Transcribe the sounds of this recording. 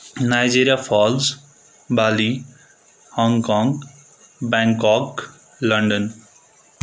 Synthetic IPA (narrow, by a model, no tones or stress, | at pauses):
naːjd͡ʒiːɾijaːfɔːlz | baːli | hɔ̃ːŋɡkɔ̃ːŋɡ | bɛ̃ːŋkɔːk | lɐ̃ɳɖən